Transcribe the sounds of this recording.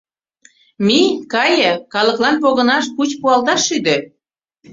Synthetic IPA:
mikɑjə̆kɑlə̆klɑnp̬oɣə̆nɑʃkut͡ɕpuɑlt̪ɑʃːyd̪ø

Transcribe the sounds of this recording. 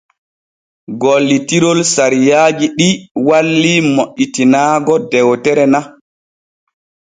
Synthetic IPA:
ɡɔlːitiɾolsaɾijaːd͡ʒiɗiwalːimoʔitinaːɡɔdɛwtɛɾɛna

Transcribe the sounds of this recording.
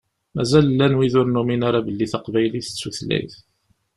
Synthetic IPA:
mæzællːænwiðʊɾnuminaɾabəlːiθɑqvæjliθə̥t͡sːuθlæ̰jθ

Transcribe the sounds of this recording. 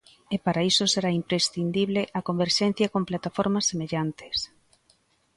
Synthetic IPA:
epaɾaisoseɾaimpɾesθind̪iβleʔɐkombeɾʃɛn̟θjɐkomplat̪afoɾmɐsːemeʎant̪e̥s

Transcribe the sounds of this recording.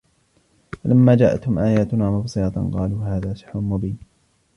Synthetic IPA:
falamːaːd͡ʒaːʔa̰t̪hʊmʔaːjaːt̪ʊnaːmʊbsˤɨɑt̪qɑ̰ːluːɦaːðaːʃɪ̥ħɾʊnmʊbiːn

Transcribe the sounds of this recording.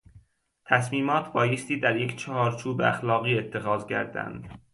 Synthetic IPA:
t̪ʰæsmiːmɒːt̪ʰbɒːjest̪iːd̪æɾje̞cʰt͡ʃʰɒhɒːɾt͡ʃʰuːbeæxlɒːɣiːe̞t̪ʰːe̞xɒːzcʰæ̰ɾd̪æ̰nd̪̥

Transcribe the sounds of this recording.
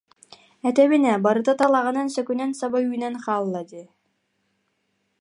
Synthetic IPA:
ɛt̪ɛβinɛbaɾɯt̪at̪alˠaʁɯ̆nansœkynɛnsabajyːnɛnχaːlˠːad̪i

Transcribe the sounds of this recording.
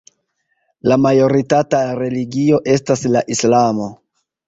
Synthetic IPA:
lamajo̞ɾitataɾe̞liɡio̞ʔe̞staslaʔislamo̞

